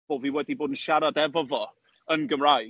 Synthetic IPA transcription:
ɔlˠviːwɛdiboːdn̩ʃaɾadɛvɔvɔ | ənɡəmraj

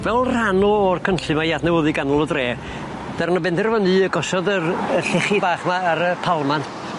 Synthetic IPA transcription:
vɛlˠr̥anɔɔrkʰənɬɨmajaθnɛwəðɨɡanɔlˠədreː | d̥arnɔbɛndɛrvənɨəɡɔsɔðərəɬɛχɪbaːχmaːɾəpʰalˠman

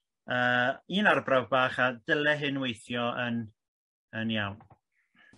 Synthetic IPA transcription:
əːiːnarbravbaːχadəlˠɛɦɨnwejθjɔən | ənjawn

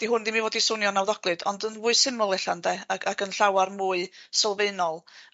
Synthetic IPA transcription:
d̥iɦʊndimivoːdisʊnjɔnawðɔɡ̥lˠɨdɔndənvʊːɨsɪmʊlˠɛɬandɛakakənɬawarmuːɨsɔlˠveɨnɔlˠ

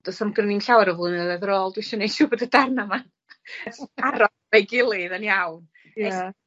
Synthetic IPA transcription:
d̥ɔsamɡrəninɬawaɾɔvlˠɨnɛðɛðɾoːlˠdwɪʃɔnejʃuːbodədarnama | aɾɔ | vejɡɪlˠɨðənjawn | jɛa

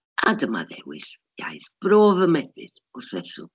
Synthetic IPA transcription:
adəma̰ðɛ̰wɪ̰s | ja̰jθb̥roːvəmɛbɨ̰ð | ʊrθɛsʊ̰

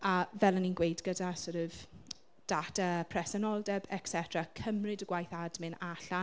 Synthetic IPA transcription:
avɛlˠəninɡwejdɡədasɔɾɔv | d̥atapʰrɛsɔnɔlˠdɛbɛksɛtʰrakʰəmrɪdəɡ̥wajθadmɪnaɬa

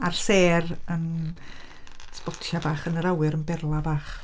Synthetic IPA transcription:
arseːrən | spɔtabaːχənəɾawɨɾənbɛrlˠabaːχ

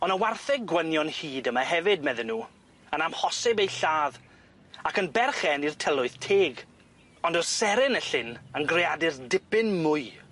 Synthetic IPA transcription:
ɔnəwarθɛɡɡwənjɔnhiːdəmahɛvɨd̚mɛðɛnːuː | ənamhɔsɪbejɬaːð | akənbɛrχɛnirtʰɛlˠʊɨðtʰeːɡ | ɔndɔsɛɾɪnəɬɪnənɡreadɪrdɪpɨnmʊɨ

